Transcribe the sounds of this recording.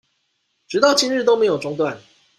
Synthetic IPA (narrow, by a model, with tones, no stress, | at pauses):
ʈ͡ʂɻ̩˨˩t̪ɑ˥˩ʊt͡ɕʰi˥nɻ̩˥˩o˥ʊme˧˥ɪjo˨˩ʊʈ͡ʂʊ˥ŋt̪wa˥˨n